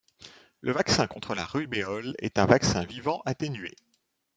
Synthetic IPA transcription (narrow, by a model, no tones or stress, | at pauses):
ləvaksɛ̃kɔ̃t̪χəla̰ʁybeɔlɛ̰t̪ɛ̃vaksɛ̃vivɑ̃ʔat̪enɥḛ